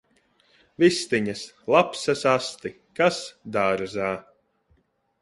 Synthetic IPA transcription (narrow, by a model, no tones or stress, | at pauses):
vist̪iɲas | lˠapsɐsast̪i | kasd̪aːɾzaː